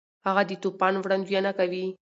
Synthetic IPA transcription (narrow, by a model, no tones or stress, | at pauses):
haɣad̪ət̪opɑnwɽand̪janakawi